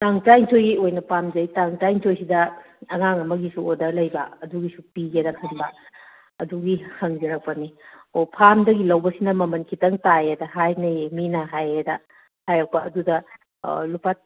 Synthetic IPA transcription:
taŋtajntʰojojnɐpamzɐjtaŋtajntʰojsidɐ | ɐŋaŋɐmɐɡisuodɐɾlɐjbɐ̰ɐduɡisupiɡedɐkʰɯnbɐ | ɐduɡihɐŋziɾɐk̚pɐniopʰamdɐɡilɐwbɐsinɐmɐmɐnkʰitɐŋtajedɐɦajnɐminɐɦajedɐ | hajak̚pɐɐdudɐ | lupat̚

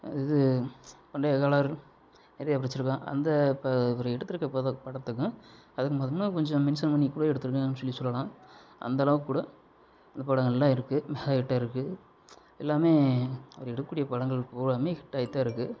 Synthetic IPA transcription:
ɪðɯpɐɳɖɐjɐkaːlaːɾ | nɛɾɐjapɪɾɐt͡ʃːɯɾɯkːãːʔɐ̰nd̪ɐpɐʋɐɾɐɛɽɯt̪ːɯɾɯkːpːɐpɐɽɐt̪ːɯkːʊ̃ɐðɯkːɯmɐðɯmnɐkɔɲd͡ʒɔ̃mɪnsɐnmɐnːikːuːɽɐɛɽɯt̪ːɯɾɯkːɯ̃ɐnːɯsɔlːisɔlːɐlãːʔɐ̰nd̪ɐːlɐʋɯkːuːɽɐ | ɐnd̪ɐpɐɽɐŋɡɐɭɛlːãːɪɾɯkːɯmɛɣakɪʈːaːɪɾɯkːɯ | ɛlːaːmeːɐʋɐɾɛɽɯɐkːuːɽɪjɐpɐɽɐŋɡɐɭpoːɾaːmeːkɪʈːaːjɪt̪ːaːɪɾɯkːɯ

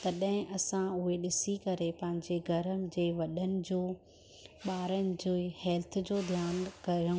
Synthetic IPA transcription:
t̪ɐɗɦɪ̃ʔɐsãʊɦeɗɪsikɐɾepɐ̃ɦɪ̃ɲd͡ʑeɡʱɐɾəmd͡ʑeːʋɐɗənɪ̆d͡ʑoː | ɓaːɾənɪ̆d͡ʑoːhɛːlt̪̆ʰd͡ʑoːd̪ʱjaːnkɐɾə

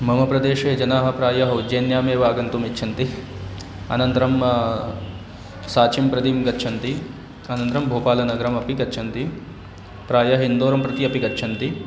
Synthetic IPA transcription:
mɐmɐpɾɐd̪eːʃeːd͡ʒɐnaːɦɐ̆pɾaːjɐɦɐud͡ʒeːnjaːmeːʋaːɡɐnt̪umitːʃʰɐnt̪i | ɐ̰nɐnt̪ɾɐm | saːt͡ʃʰimpɾɐd̪imɡɐtːʃʰɐnt̪i | ɐnɐnt̪ɾɐmbʱoːpaːlɐnɐɡɐɾɐmɐpiɡɐtːt͡ʃʰɐnt̪i | pɾaːjɐɦind̪oːɾɐmpɾɐt̪iɐpiɡɐtːt͡ʃʰɐnt̪i

